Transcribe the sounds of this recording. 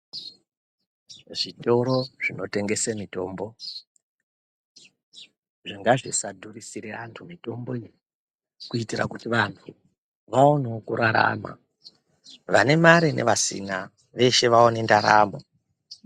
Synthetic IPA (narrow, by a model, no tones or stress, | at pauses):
ʐito̞ɾo̞ʐ̥ino̞te̞ŋɡe̞semito̞ːmbo̞ | ʐiŋɡaʐisadʱurisiɾeantʰumito̞mbo̞iri | kuitirakutiʋantʰu | ʋaonokuɾaɾa̰ma̰ | ʋane̞maɾine̞̰ʋasḭna | ʋe̞ʃe̞ʋaonendaɾa̰ːmo